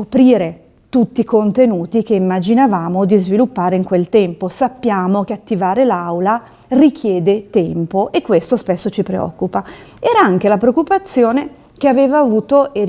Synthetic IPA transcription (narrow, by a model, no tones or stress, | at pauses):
opɾiːɾe | t̪ut̪ːiːkont̪enuːt̪ikeimːad͡ʒinavaːmod̪izvilupːaːɾeiŋkwelt̪ɛmposapːjaːmokeat̪ːivaːɾelawla | rikʰjɛːd̪et̪ɛmpoʔekːwest̪ospesːot͡ʃipɾḛɔ̰kːupa | ɛːɾaaŋk̟elapɾeokːupat̪sːjoːne | k̟eaveːvaːvuːt̪oe